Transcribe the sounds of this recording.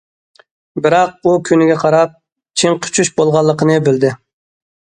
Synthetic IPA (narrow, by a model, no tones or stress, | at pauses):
bɪɾɑq̚ukʲʰynɪɡʲɛqʰɑɾɑp̚ | t͡ʃʰiŋqʰy̥t͡ʃʰyʃbolˠʁɑlˠːəqʰənɨbɪld̪ɪ